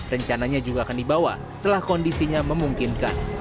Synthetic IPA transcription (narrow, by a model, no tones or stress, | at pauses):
rəɲt͡ʃanaɲad͡ʒuɡaːkandibawa̰ | st̪əlahkɔndisiɲaməmuŋkinka̰n